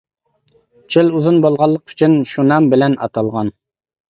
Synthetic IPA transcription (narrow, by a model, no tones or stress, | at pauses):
t͡ʃʰɪluzɨnbolˠʁɑlˠːəqy̥t͡ʃʰinʃunɑmbɪlɛnɑ̰t̪ʰɑlˠʁɑn